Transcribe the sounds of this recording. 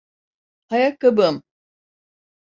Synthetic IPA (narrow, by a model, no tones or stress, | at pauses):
hajakːabɯm